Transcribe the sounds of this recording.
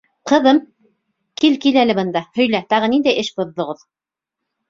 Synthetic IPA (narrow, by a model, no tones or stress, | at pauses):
qɤ̆ðɤm | kilkilælɘbɤ̆nd̪ɑhɵ̆jlæt̪ɑʁɤ̆nind̪æjɘʃbŏðːŏʁɤð